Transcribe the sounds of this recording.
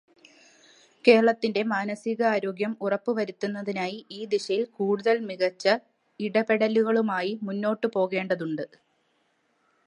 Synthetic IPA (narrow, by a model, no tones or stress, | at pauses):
ke̞ːɾɐɭɐt̪ːinde̞maːnɐsiɣɐaːɾo̞ːɡjɐmurɐpːɨʋɐɾit̪ːunːɐðinaːjiʔiːd̪iɕɐjilkuːɽuðɐlmiɣɐt͡ɕːɐ | iɽɐpe̞ɽɐluɣɐɭumaːjimunːo̞ːʈːɨpo̞ːɣe̞ːɳɖɐðuɳɖɨ